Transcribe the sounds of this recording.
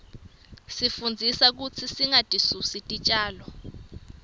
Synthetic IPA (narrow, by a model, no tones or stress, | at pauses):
sifund͡zʱisak̬ut͡sʰisiŋatʼisusitʼit͡ʃʼaːlɔ